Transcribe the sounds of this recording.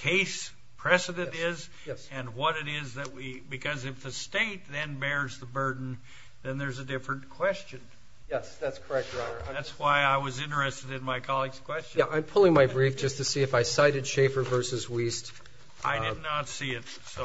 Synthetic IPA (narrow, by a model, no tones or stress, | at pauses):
kʰeɪs | pʰɹ̥ɛsɨɾɨ̃ntɪz | ɨ̃nwʌɾɨɾɪzðɨt̚wibɨkʰʌzɨfðɨsteɪt̪̚ðɨ̃nbɛɹzðəbɜ˞dⁿn̩ | ðɨ̃nðə˞zɨdɪfɹɨ̃nkʰw̥ɛst͡ʃɨ̃n | jɛsðætskʰə˞ɛk̚t̚ɹaɪɾə˞ætswaɪaɪwʌzɪ̃nə˞ɨstɨɾɨ̃nmaɪkʰɑlˠiɡz̥kʰw̥ɛst͡ʃæʔãɪ̃mpʰʊlˠɪ̃ŋmaɪbɹifd̥ʒ̥ʌstʰɨsiɨfaɪsaɪɾɨd̥ʃeɪfə˞vɜ˞sɨzwist | ʔa̰ɪdɨdⁿnətsiɪt̚ | so